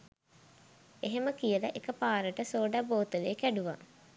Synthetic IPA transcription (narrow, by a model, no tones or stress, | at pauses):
eɦeməkijələʔekəpaːɾəʈəsoːɖaboːt̪uleːkæɖuʋa̰